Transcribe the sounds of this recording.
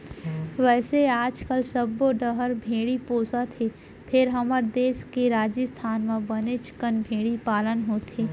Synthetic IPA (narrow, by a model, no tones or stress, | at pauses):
ʋɛːseaːd͡ʒkəlsɐbːoɖəɦəɾbʱeːɽipoːsat̪ʰe | pʰɪɾɦɐməɾd̪eːskeɾaːd͡ʒəst̪ʰaːnmẽbɐnet͡ʃɪ̥kənbʱeːɽipaːlənɦoːt̪ʰeː